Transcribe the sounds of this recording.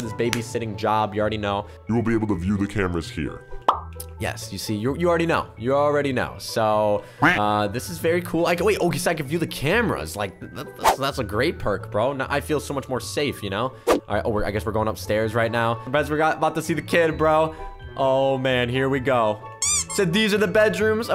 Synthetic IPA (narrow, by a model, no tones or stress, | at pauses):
ðɪs̬b̥eɪbisɪɾɪ̃ŋd͡ʒɑbjɨlˠɹɛɾinoʊ | jɨwl̩ˠbieɪbl̩ˠtʰɨvjʉðɨkʰæ̃mə˞ɨz̥hḭɹ | jɛ̰sjɨsijəjɨl̩ˠɹɛɾinoʊjɨl̩ˠɹɛɾino̰ʊsoʊ | ʌðɪsɨzvɛɹikʰulaɪkweɪʔoʊkɨsaɪkɨ̃nvjʉðɨkʰæmə˞ɨ̰z̥laɪk̚ðætðsðætsəɨɡɹeɪt̚pʰɜ˞kb̥ɹoʊnəʔa̰ɪfilˠsoʊmʌt͡ʃmɔɹseɪfjɨñoʊʔɪʔowɪɹaɪɡɛswɨəɹɡoʊɪ̃ŋʌpstɛɹzɹaɪtⁿnaʊbɛ̃zwɨɹɡɑɾəbaʊtɨsiðɨkʰɪd̚bɹoʊʔoʊmæ̃nɦiɹwiɡoʊ | sɛd̪̚ðizə˞ðɨbɛdɹʉ̃mz